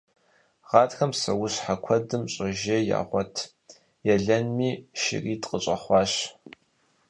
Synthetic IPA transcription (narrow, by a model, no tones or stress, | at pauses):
ʁɑːtxɐmsɐ̰wʊɕħakʷʰɔdɨmɕʼɐʒɐja̰ːʁʷɔtʰ | jɛɮɐnmiːʃɪ̰riːtʼqʼəɕʼɐχʷɑːɕ